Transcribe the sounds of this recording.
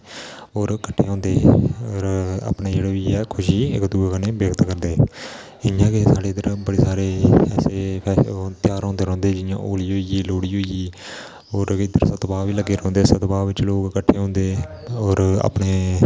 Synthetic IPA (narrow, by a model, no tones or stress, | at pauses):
oːɾkəʈʰːeːɦɔ̃ːnd̪eːoːɾa̰ːpɳeːd͡ʒeːɽeːʋiːɛːkʰʊʃiːɪ̰kd̪uːkaneːbeːkt̪kəɾd̪eː | ɪjãːkesaːɖeːd̪əɾbəɽeːsaːɾeːɛːseːpʰɛːt̪ɪjaːɾõːnd̪eːɾɔ̃ːnd̪eːd͡ʒɪjã̰ːʔoːliːɦoːiːɡiːloːɽiːɦoːiːɡiː | ɔːɾɪd̪əɾsət̪baːʋiːləɡeːɾɔ̃ːnd̪eːsət̪baːʋɪt͡ʃloːɡkəʈʰːeːɦõːnd̪eːɔːɾa̰ːpɳeː